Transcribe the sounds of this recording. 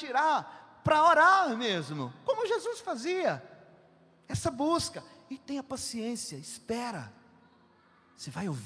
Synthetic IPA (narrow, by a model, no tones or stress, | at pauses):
t͡ʃiɾaɾ | pɾɐoɾaɾmezmʊkõmʊʒezusfaziɐ | ɛsɐbuskɐɪt̪ẽj̃ɐpasiẽsiɐɪspɛɾɐ̰ | sevajowv